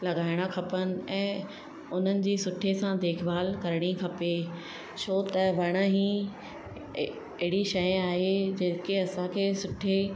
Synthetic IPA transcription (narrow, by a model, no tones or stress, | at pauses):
lɐɡaːɪɽ̃akʰɐpənɪ̆ɛ̃ː | ʊn̤ənɪ̆d͡ʑiːsʊʈʰesãd̪eːkʰbaːlkɐɾɽ̃ikʰɐpe | ʃoːt̪ɐʋɐɽ̃əɦĩ | ɪɦɪɽiʃɐjaːɦed͡ʑeːkeɐsãkʰeːsʊʈʰe